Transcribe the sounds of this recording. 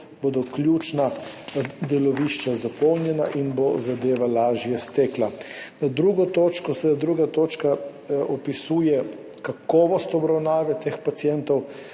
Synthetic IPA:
bod̪ɔkljuːt͡ʃna | d̪ɛlɔʋiʃt͡ʃazapɔwnjɛna̰ʔinbozad̪eːʋalaːʒjɛst̪ɛːklanad̪ɾuːɡɔt̪oːt͡ʃkɔsɛd̪ɾuːɡat̪oːt͡ʃka | ɔpisuːjɛ | kakɔːʋɔst̪ɔbɾawnaːʋɛt̪eːxpat̪sijɛnt̪ɔw

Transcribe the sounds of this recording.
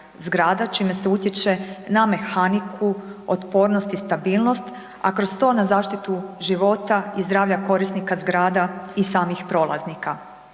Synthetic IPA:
zɡɾaːd̪at͡ʃiːme̞se̞ut̪jet͡ʃe̞name̞xanikʰuo̰t̪po̞ːɾno̞st̪ist̪abiːlˠno̞st̪ | akɾost̪o̞ːnazaːʃt̪it̪uʒiʋo̞t̪aizd̪ɾaːʋʎako̞ɾisnikazɡɾaːd̪aisaːmixpɾo̞ːlˠa̰znika

